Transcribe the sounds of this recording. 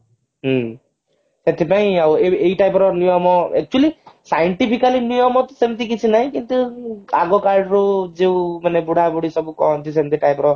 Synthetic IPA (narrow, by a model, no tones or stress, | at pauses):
ɦ | set̪ʰipaĩaweeɦiʈajpɔɾɔnijɔmɔɛk̚t͡ʃualisajɔɳʈipʰikalinijɔmɔt̪ɔsemt̪̬ikit͡ʃʰinaɦĩkint̪ua̰ɡɔkaɾɖɾud͡ʒeũmanebuɽ̤ʱabuɽisɔbukɔɦɔnt̪is̬emt̪iʈajpɔɾɔ